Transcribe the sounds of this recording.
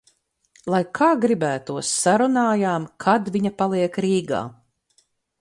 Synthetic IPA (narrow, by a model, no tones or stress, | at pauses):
lˠajkʰaːɡɾibæːt̪uɔsːaɾunaːjaːmkʰad̪vʲiɲapalˠiɛkɾiːɡa̰ː